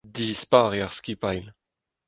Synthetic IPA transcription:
d̪iːspaːʁeaʁskiːpajl

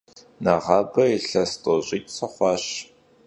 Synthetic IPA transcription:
nɐʁɑːbɐiɬɐstʼoʑʼiːtsʼɐχʷɑːɕ

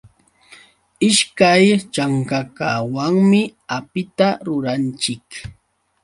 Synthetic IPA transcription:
ɪʃkajt͡ʃaŋkakawaŋmɪapɪt̪aɾʊɾant͡ʃɪk

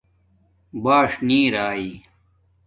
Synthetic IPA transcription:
baːʂnĩːɾaːiː

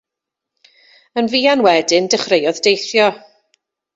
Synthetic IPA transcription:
ənviːanwɛdɪndəχrejɔðdejθjɔ

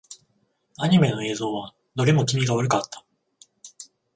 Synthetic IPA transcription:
aɲ̟ime̞no̞e̞ːzo̞ːβa | no̞ɾʲemo̞kʲimʲiɡaoɾɯ̟kat̪ʰːḁ

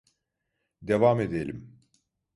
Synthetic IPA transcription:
d̪e̞vame̞d̪elʲim

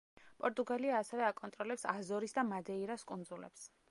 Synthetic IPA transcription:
pʼɔɾt̪ʼuɡaliaːsɛvɛakʼɔnt̪ʼɾɔlɛpsazɔɾisd̪amad̪ɛiɾaskʼund̪zulɛ̰ps

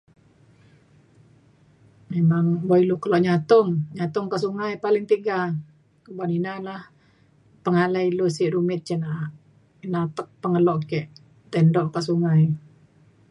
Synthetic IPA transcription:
memaŋboilukəlɔʔɲat̪ʊŋɲat̪ʊŋkaʔsuŋajpalɪŋt̪iɡa | kəbaninalah | pəŋalailusiʔɾumɪt̪̚t͡ʃənaʔʔ | inat̪ək̚pəŋəlɔʔkɛʔ | t̪ɛndɔʔkasuŋaj

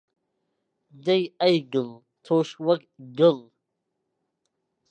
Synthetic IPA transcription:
dajajɡɨl | tʰoʂwakɡɨl

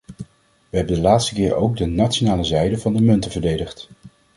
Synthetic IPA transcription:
ʋəɦɛbəndəlaːtstəkɪːɹo̰wɡ̚dənatt͡ʃonaːləzɛjdəvɑndəmɵntəvəɹdejdəχt

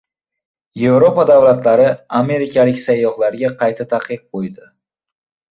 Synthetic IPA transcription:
je̞vɾo̞pad̪avlat̪laɾɪame̞ɾɪkʲʰalɪkʲsajːɒχlaɾɡʲaqʰɑjt̪ʰat̪ʰaqɨq̚qojd̪ɪ

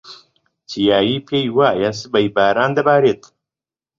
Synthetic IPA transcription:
t͡ʃʰijaːjiːpʰejwaːjas̬ɨbɐjbaːɾaːnd̪ɐbaːɾeːt̪

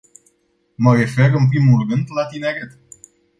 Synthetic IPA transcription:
məɾefeɾɨnp̬ɾimulrɨnd̪lat̪ineɾet̪

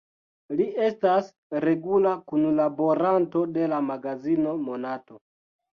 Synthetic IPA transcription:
liʔe̞stas | ɾe̞ɡulakunlabo̞ɾanto̞de̞lamaɡazino̞monato

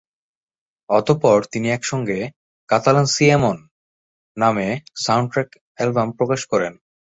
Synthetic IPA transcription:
ɔt̪opɔɾt̪iniɛkʃɔŋɡe | kat̪alansiemonː | amesawɳʈɾɛk | ɛlbampɾokaʃkɔɾḛn

